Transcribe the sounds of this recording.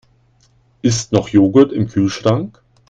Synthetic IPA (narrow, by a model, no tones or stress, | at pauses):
ʔɪstnɔχjoːɡətɪmkʰyːlʃʁ̥aŋk